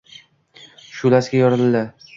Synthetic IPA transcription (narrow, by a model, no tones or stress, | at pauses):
ʃʊlaskʲajɒɾɨld̪a